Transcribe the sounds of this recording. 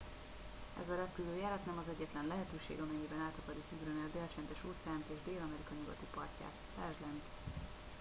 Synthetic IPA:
ɛ̰zɒɾɛpyløːjɛlɛt̪nɛmɒzɛɟːɛt̪lɛnlɛɦɛt̪øːʃḛːɡɒmɛɲːibɛnaːt̪ɒkɒɾikyɡɾønɛld̪ɛːlt͡ʃɛnd̪ɛʃuːt̪sɛjaːnt̪eːʒd̪eːlɒmɛɾikɒɲuɡɒt̪ipɒrca̰ːt̪t̪aːʒlɛnt̪

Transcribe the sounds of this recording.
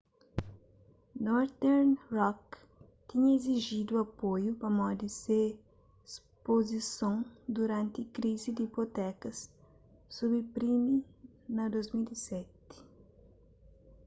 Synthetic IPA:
nɔɾt̪ɛɾnrɔk | t̪iɲɐeziʒid̪uɐpojupɐmɔd̪ise | s | pozisõwd̪uɾãnt̪ikɾizid̪ipot̪ɛkɐs | sobipɾimi | nɐd̪ojzmilisɛt̪i̥

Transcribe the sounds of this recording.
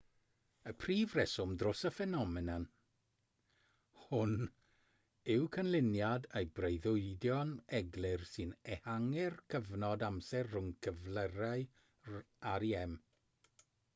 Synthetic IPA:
əpʰriːvrɛsʊmdrʊsəfɛnɔmɪnan | hʊn | ɪwkʰənlˠɪnjadejbrejðʊɨdjɔnɛɡlˠɪrsɨnɛhaŋɪrkʰəvnɔdamsɛrːʊŋkʰəvlˠəɾaɨ | aɾiɛm

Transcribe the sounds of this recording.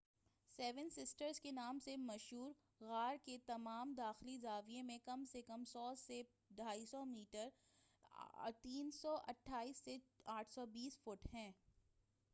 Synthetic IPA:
sɛːʋənsɪsʈəɾzkenaːmsemɐʃɦuːɾ | ɣaːɾket̪ɐmaːmd̪aːxlizaːʋiẽmẽkɐmsekɐmsɔːse | ɖʱaːisɔmiːʈəɾ | t̪iːnsɔʔɐʈʰːaːiːsːeaːʈʰsɔbiːsfʊʈɦɛ̃ː

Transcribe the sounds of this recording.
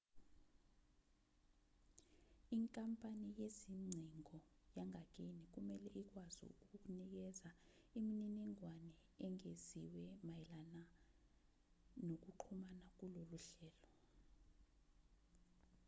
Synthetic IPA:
iŋkʼampʼanijeziŋ͡ǀʱiŋʱɔjaŋʱak̬ʼenik̬umɛlɛʔik̬wazṵṵk̬uuk̬ʼunik̬ɛza | imininɛŋwanɛː | ŋeziwɛmajɛlana | nok̬uǃʰumanak̬uloluɬɛːlɔ

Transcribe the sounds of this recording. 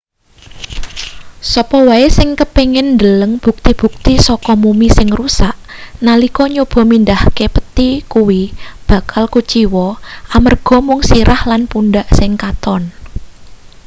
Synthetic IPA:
sɔpɔwaesɪŋkəpeŋɪnːd̪ələŋb̥ṳk̚t̪ib̥ṳk̚t̪isɔkɔmumisɪŋrusaʔnalikɔɲob̥ɔ̤mind̪ahkepət̪ikuwib̥ä̤kʰalkut͡ʃiwɔamərɡ̥ɔ̤mʊŋsiɾʔahlanpundaʔsɪŋkat̪ɔn

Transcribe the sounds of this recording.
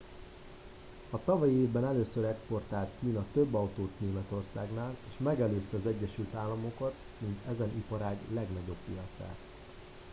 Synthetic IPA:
ɒt̪ɒvɒjieːvbɛnɛløːsøɾɛkspo̞rt̪aːlt̪kiːnɒt̪øbːɒwt̪oːt̪neːmɛt̪o̞rsa̰ːɡnaːleːʃmɛɡɛløːst̪ɛɒzɛɟːɛʃylt̪aːlːɒmo̞kɒt̪ | mint̪ɛzɛnʔipɒɾaːɡlɛɡnɒɟo̞bːijɒt̪sa̰ːt̪

